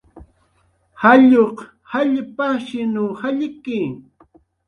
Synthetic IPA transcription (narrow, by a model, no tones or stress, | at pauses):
haʎoq | haʎpaʃɪnuːhaʎkɪ